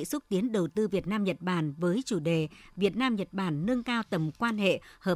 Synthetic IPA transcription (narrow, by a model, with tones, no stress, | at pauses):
sʊ˦˥k͡p̚t̪i˨˦ənɗə˨˩wt̪ɨ˧vi˨˩ət̚naː˧mɲə˨˩t̚ɓaː˧˩nvəː˨˦jt͡ɕu˧˩ɗe˨˩vi˨˩ət̚naː˧mɲə˨˩t̚ɓaː˧˩nːɨ˧əŋkaː˧wt̪ə˨˩mkwaː˧nhḛ˧˨həː˨˩